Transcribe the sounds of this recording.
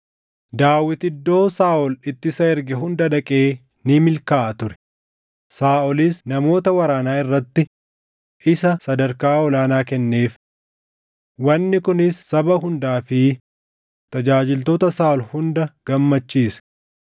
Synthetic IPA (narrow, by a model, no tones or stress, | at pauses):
d̪aːwːɪt̪ɪd̪ːo̞ːsaːʔɔlɪt̪ːɪsɐɛɾɡɛɦʊnd̪ɐd̪ɐkʼeː | nɪmɪlkaːʔɐt̪ʊɾɛ̥ | saːʔɔlɪsnɐmo̞ːt̪ɐwɐɾaːnaːɪrːɐt̪ːɪ | ʔɪsɐsɐd̪ɐɾkaːɔlaːnaːkɛnːe̞ːf | wɐnːɪkʊnɪsːɐbɐɦʊnd̪aːfɪ | t̪ɐd͡ʒaːd͡ʒɪlt̪oːt̪ɐsaːʔɔlhʊnd̪ɐɡ̥ɐmːɐt͡ʃːiːsɐ̥